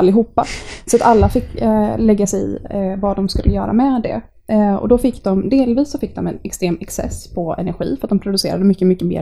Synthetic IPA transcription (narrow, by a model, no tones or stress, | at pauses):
lːɪɦuːpːasɔat̪alːafɪkːlɛɡːasɛɪ̰vad̪ɔmskɵlːəjœ̰ːɾa̰mɛd̪ɛ̰ | ɔ̰d̪ɔfɪkːd̪ɔmd̪eːlviːsːɔfɪkːd̪ɔmɛnɛkst̪ɾeːmɛksɛ̰spʰɔɛ̰næɾɧḭːfəɾat̪̚d̪ɔmpʰɾʊd̪ɵsḛːɾa̰d̪əmʏkːəmʏkːəmḛː